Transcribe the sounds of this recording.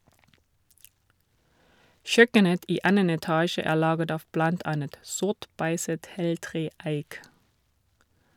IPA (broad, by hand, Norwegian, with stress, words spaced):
ˈçœkənət ˈiː ˈɑnən ɛˈtɑːʃə ˈæː ˈlɑːɡət ˈɑːʋ ˈblɑnt ˈɑnət ˈsʊʁt ˈbæɪsət ˈheːlˌtʁeː ˈæɪk